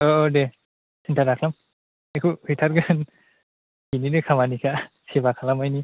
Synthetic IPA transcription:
oːde | sintʰaɾakʰlam | ekʰuhɯtʰaɾɡɯn | kininɯkʰamanikʰa | sibakʰalamajni

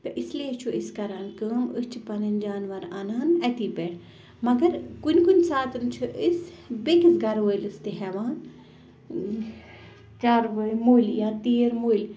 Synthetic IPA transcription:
t̪ɐʔisliet͡ʃʰuʔiskɐɾaːnkəːmɨst͡ʃʰipɐnɐnʲd͡ʒaːnʋɐɾanaːnɐt̪iːpeɽ | mɐɡɐɾkunʲkunʲsaːt̪ɨnt͡ʃʰuʔisbekisɡɐɾʋəjlɨst̪iɦɛʋaːn | t͡ʃaːɾʋəjmulʲjaːt̪iːɾmulʲ

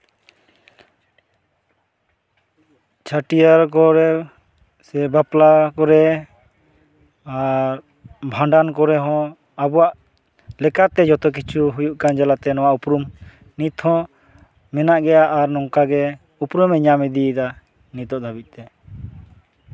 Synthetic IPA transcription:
t͡ʃʰaʈijaɾkɔɾɛ | sɛbaplakɔɾɛ | aɾ | bʱãɳɖankɔɾɛɦɔ̃ | abɔwaʔ | lɛkat̪ɛd͡ʒɔt̪ɔk̬it͡ʃʰuɦujuʔkand͡ʒalat̪ɛnɔwaʔupɾum | nit̪hɔ̃ | mɛnaʔɡɛjaʔːɾnɔŋkaɡɛ | upɾumɛɲamɛd̪id̪a | nit̪ɔʔd̪abic̚ˀt̪ɛ

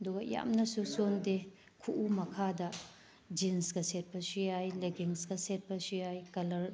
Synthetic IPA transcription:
ɐduɡɐja̰mnɐsusonde | kʰuʔumɐkʰadɐ | d͡ʒinsɡɐset̚pɐsiajleɡiŋsɡɐset̚pɐsiajkɐlɐɾ

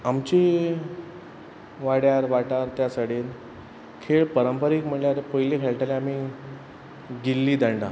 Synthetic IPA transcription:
amt͡ɕi | ʋaɽjaɾʋaʈaɾt̪jasaɽ̤iːn | kʰeɭpəɾəmpəɾikm̤əɳljaɾpəjlekʰeɭʈaleamiː | ɡilːiːd̪əɳɖa

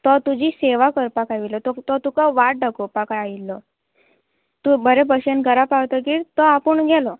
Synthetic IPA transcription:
t̪ɔt̪ud͡ʑiseʋakəɾpakaʋilɔt̪ɔt̪ɔt̪ukaʋaʈ̚ɖəkopakaailːɔ | t̪ubəɾebəɕenɡəɾapawt̪əkiːɾt̪ɔapəɳɡʱɛlɔ

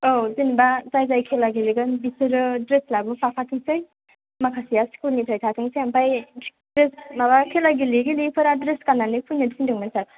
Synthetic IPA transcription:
owzinbazajzajkʰelaɡiliɡɯnbisɯɾɯdɾeslabɯpʰapʰatʰɯŋsɯj | makʰasijaskulnitʰajtʰatʰɯŋsejampaj | dɾesmabakʰelaɡiliɡilipʰɯɾadɾeskananɯpʰujnɯdisindɯŋmansat

